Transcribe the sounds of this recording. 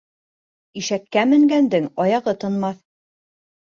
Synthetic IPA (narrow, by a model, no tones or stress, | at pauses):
iʃækːæmɘ̆ŋɡænd̪ɘŋɑjɑʁɤt̪ɤ̆nmɑθ